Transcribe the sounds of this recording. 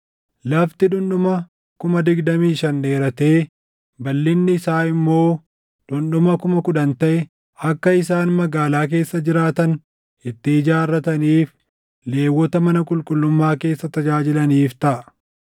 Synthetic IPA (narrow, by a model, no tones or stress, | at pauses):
lɐft̪ɪᶑʊnɗʊmɐ | kʊmɐd̪ɪɡd̪ɐmiːʃɐnde̞ːɾɐt̪e̞ː | bɐlːɪnːɪːsaːɪmːo̞ː | ᶑʊnɗʊmɐkʊmɐkʊᶑ̪ɐnt̪ɐʔɛ | ɐkːɐɪsaːnmɐɡaːlaːk̬e̞ːsːɐd͡ʒɪɾaːt̪ɐn | ɪt̪ːɪːd͡ʒaːrːɐt̪ɐniːf | le̞ːwːɔt̪ɐmɐnɐkʼʊlkʼʊlːʊmːaːke̞ːsːɐt̪ɐd͡ʒaːd͡ʒɪlɐniːft̪ɐʔɐ